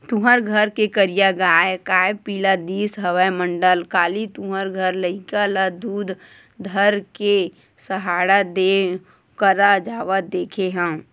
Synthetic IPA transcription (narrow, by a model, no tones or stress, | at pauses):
t̪ʊ̃ɦəɾɡʱəɾkekəɾijaɡaːekaːepiːlad̪iːsɦəʋəemə̃ɳɖəlkaːlit̪ũɦəɾɡʱəɾləikalad̪uːd̪ | d̪ʱəɾke | səɦaːɽad̪e | kəɾad͡ʒaːʋəd̪eːkʰeɦɛ̃